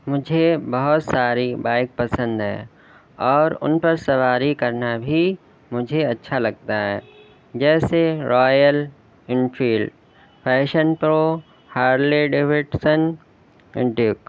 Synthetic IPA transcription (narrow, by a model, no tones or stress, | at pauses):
mʊd͡ʒʱebɐɦʊt̪saːɾibaːɪk̚pɐsə̃nd̪ɦɛ̰̃ː | ɔːɾʊ̰npɐɾsɐʋaːɾikɐɾnabʱi | mʊd͡ʒʱeɐtːʃʰalɐɡ̚t̪aɦɛː | d͡ʒɛːseɾɔːjəl | ɪ̃ɳfiːlɖ | pʰɛːʃənpɾoː | haːɾleɖeːʋɪʈsən | ɪ̰̃ɖjʊk